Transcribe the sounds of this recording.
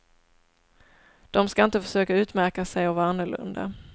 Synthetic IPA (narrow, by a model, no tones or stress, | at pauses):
d̪̥ɔmskaɪnt̪əfœ̥ʂøːkaʉ̟ːt̪mæɾkasɛjɔvanːəɭɵ̰nd̪a̰